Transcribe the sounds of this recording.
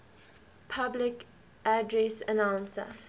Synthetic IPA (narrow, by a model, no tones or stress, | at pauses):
pʰablɪk | ʔadɹesənãwnsə̰